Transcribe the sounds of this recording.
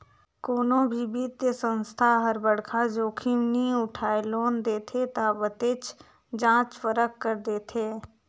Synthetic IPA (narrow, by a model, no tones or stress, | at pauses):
koːnõbʱibiːt̪əsə̃nst̪ʰaɦəɾbəɽkʰad͡ʒoːkʰimniʊʈʰaːeloːnd̪eːt̪ʰet̪aːbət̪eːt͡ʃ | d͡ʒãːt͡ʃfəɾəkːəɾd̪eːt̪ʰeː